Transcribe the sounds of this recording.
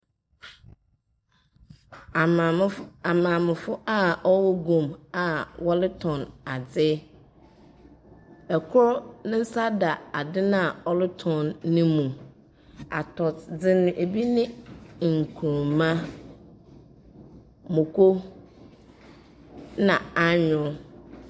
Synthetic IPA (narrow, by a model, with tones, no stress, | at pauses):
a˨mãː˨mɪ̃˨fʊ˦ʔa˦ɔ˦wɔ˦ɡũ˨ma˨wɔ˦lɪ˦tʰɔ̃˨na˨d͡zɪ˦ | ɛ˨kʰʊ˦ɾɔ˦nɪ̃˦n̩˦sa˦da˨a˨dɪ˦nã˦a˨ɔ˦lɪ˦tʰɔ̃˨nːɪ̃˦mũ˨ | a̰˨tʰɔ˨td͡zɪ˦nʊ̃˨ʔe˨bi˦nɪ̃˦˨ŋ̩˨kʰu˨ɾmã˦ | mʊ̃˨kʰo˦ | nã˨a˦ɲʊ̃˨˦